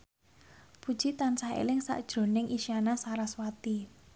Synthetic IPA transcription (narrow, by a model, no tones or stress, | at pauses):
pu̥ʒ̥it̪ansaḛlɪŋsa̰ʔd̥ʒ̥ɾo̤nɪŋʔiʃianasaɾaswat̪i